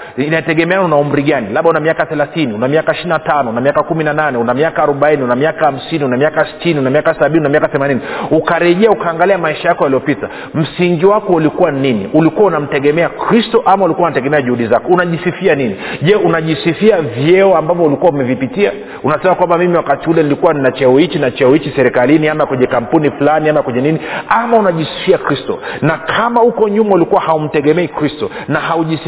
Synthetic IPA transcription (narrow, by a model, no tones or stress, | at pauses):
inaitɛɠɛmɛanɔnaum̩ɾiɠanilaɓaunamiakaθɛlaθiniunamiakaiʃininatanɔunamiakakuminananɛunamiakaːɾɔɓainiunamiakaham̩siniunamiakasi̥tiniunamiakasaɓiniunamiakaθɛmaniniukaɾɛʄɛaukaːŋɡaliamaiʃajakɔjalijɔpita | m̩siŋɡiwakɔulikuwaninḭʔulikuaunam̩tɛɠɛmɛakɾistɔʔamaulikuaunatɛɠɛmɛaʄuhuɗizakɔunaʄisifianiniʄɛunaʄisifiavjɛɔambavɔulikuwaumɛvipitia̰ | unasɛmakwambamimiwakatiulɛnilikuwaninat͡ʃɛɔit͡ʃinat͡ʃɛɔit͡ʃisɛɾɛkaliniamakwɛɲɛkampunifulaniamakwɛɲɛniniamaunaʄisi̥fiakɾistɔ̰nakʰamaukɔɲumaulikuwahaum̩tɛɠɛmɛikɾistɔnaɦauʄis